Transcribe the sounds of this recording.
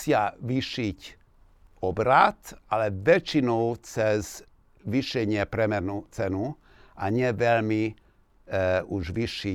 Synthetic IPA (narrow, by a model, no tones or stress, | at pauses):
sɪaʋiʃic | ɔbɾat̪alɛʋɛt͡ʃinɔʊt͡sɛz | ʋiʃɛɲɪɛpɾɛmɛɾnut͡sɛnu | aɲɛʋɛlmi | uʒʋiʃi